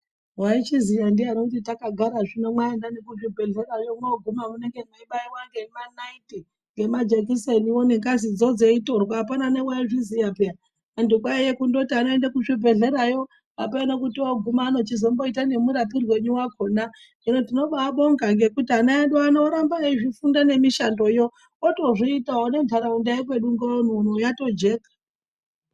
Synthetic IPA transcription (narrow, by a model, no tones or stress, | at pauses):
wait͡ʃizijandianokutitakaɡʱaɾaʐino̞mwaendanekuʐibʱe̞ɮe̞rajo̞mwoɡʱumamune̞ŋɡeweiɓaiwaŋɡemanaiti | ŋɡe̞mad͡ʒek̬iseniwoneŋkazid͡zo̞d͡zeito̞rkaːpananewaiʐizijapea | andukwaejekundotianoe̞ndakuʐibʱe̞ɮe̞ɾajo̞ | a̰peanokutioɡʱumaːno̞t͡ʃizombo̞itane̞muɾapirwe̞ɲuwakʰona | inotino̞ɓaːɓo̞ŋɡaŋɡe̞kutianaenɗoano̞ɾambaeʐifundane̞miʃando̞joː | to̞ʐiitaone̞nd͡ɮʱaɾaundaik̬we̞ɗuŋɡaon̤uːn̤ujato̞d͡ʒe̞ːkḁ